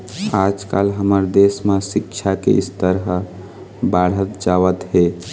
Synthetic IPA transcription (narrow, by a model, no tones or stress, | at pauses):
ad͡ʒkalɦəməɾd̪esmesikt͡ʃʰakḛist̪əɾɦ | baɽ̤ət̪d͡ʒaʋət̪ɦe